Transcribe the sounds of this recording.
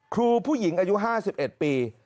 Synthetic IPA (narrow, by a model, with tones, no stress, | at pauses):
kʰɾuː˧pʰuː˥˩ji˩˦ŋʔaː˧ju˦˥ɦaː˥˩si˨˩p̚ʔe˨˩t̪̚piː˧